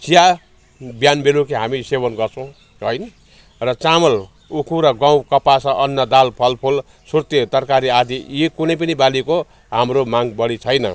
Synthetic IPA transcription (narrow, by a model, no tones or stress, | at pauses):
t͡sija | bjanbelukeɦamisebʌnɡʌrt͡sʰʌw̃ | ɦʌjn | rʌt͡samʌl | ukʰuɾʌɡãw̃kʌpasʌʔʌnːʌd̪alpʰʌlpʰol | surt̪et̪ʌrkaɾiad̪ʱijikunʌjp̬ʌnibaliko | ɦamromaŋbʌɽit͡sʰʌjnʌ̰